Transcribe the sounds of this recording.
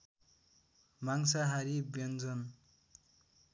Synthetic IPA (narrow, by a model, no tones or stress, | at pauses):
maŋsaɦaɾibʌnd͡zʌn